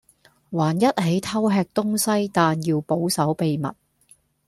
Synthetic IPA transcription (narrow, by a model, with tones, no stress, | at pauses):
waː˨˩njɐ˥t̚ɦe˨˥jt̪ʰɐ˥wɦɛː˧k̚t̪ʊ˥ŋsɐ˥jt̪aː˨njiː˧wpo˨˥wsɐ˨˥wpe˨jmɐ̰˨t̚